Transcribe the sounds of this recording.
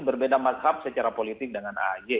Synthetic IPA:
bərbedamazɦap̚sət͡ʃaɾapolit̪ɪk̚dəŋana̰d͡ʒe

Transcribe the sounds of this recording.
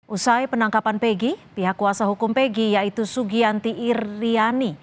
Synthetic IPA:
ʔusajpənaŋkapanpeɡipiɦakːuasaɦukumpeɡijait̪usuɡiant̪iʔːrːiani

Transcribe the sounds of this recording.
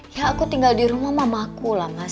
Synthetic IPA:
jaːkut̪iŋɡaldiɾumahmamakulahma

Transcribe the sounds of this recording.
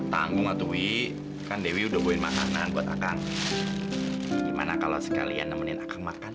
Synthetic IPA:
t̪a̰ŋɡʊŋat̪ui | kandewiudahboɪnmaka̰nanbuat̪akaŋ | dima̰nakalo̰sə̥ka̰lia̰nːəmənɪnakaŋmakan

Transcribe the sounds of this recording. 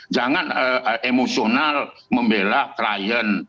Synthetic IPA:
d͡ʒaŋanəʔemosional | məmbelaklajən

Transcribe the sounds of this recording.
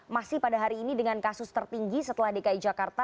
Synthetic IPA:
masɪhpadaɦaɾiːnidəŋankasʊst̪ərt̪iŋɡisət̪əlahdekait̪̚d͡ʒakart̪a

